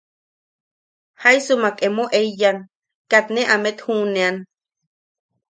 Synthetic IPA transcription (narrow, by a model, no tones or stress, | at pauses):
haisumakemoʔeijan | kat̪neʔamet̪huːnean